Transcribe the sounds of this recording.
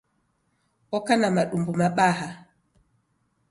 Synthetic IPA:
ɔkanamaɗumbumaɓaha

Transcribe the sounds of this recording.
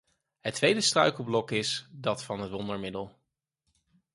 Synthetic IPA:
ɦətʋejdəstrœ̰ɥkəl̩ˠblɔkɪsdɑtfɑnɦətʋɔndəɹmɪdəlˠ

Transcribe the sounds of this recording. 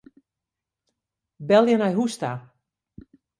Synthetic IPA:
bɛlˠjənajɦusta

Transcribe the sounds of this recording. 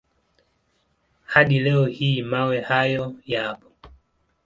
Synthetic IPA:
haɗilɛɔhiːmawɛhajɔjapɔ̥

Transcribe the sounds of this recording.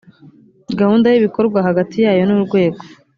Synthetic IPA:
ɡahuːndajiβiko̞ɾɡwaɦaɡatʰijaːjo̞nuuɾɡwe̞ːɡo

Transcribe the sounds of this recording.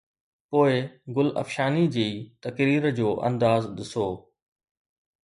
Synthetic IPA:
poːɪɡʊlɐ̰fʃaːnid͡ʑiːt̪ɐkɾiːɾəd͡ʑoːʔɐ̰̃nd̪aːzɗɪsoː

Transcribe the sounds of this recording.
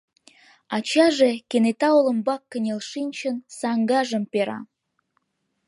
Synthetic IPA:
ɑt͡ɕɑʒekenet̪ɑolə̆mbɑkːə̆nʲelʃinʲt͡ɕənsɑŋɡɑʒə̆mpeɾɑ̰

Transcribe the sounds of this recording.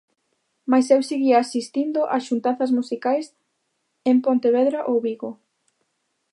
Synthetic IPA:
majsɛwsiɣiaːsist̪ind̪ʊʔasʃunt̪aθɐzmusikajs | empont̪eβɛðɾaʔowβiɣo

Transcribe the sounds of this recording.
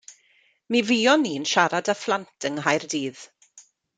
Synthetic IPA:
mivijɔniːnʃaɾadaflˠantʰəŋɦajrdiːð̥

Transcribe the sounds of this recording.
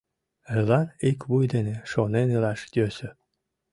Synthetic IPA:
əlɑnikβujd̪eneʃonenilɑʃt̪ʲøsø̆

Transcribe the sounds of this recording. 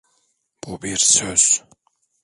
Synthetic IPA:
b̥ubiɾsøz̥

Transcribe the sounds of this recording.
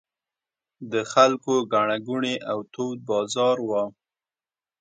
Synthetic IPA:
d̪əxalkoɡaɳaɡuɳeʔawt̪owd̪̚bɑzɑɾwa

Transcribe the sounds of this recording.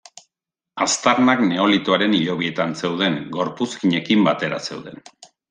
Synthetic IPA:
ast̪aɾnakne̞o̞lit̪oaɾe̞niʎo̞β̞ie̞t̪anse̞wð̞e̞ŋɡo̞ɾpuskiɲe̞kimbat̪e̞ɾa̰se̞̰wðe̞n

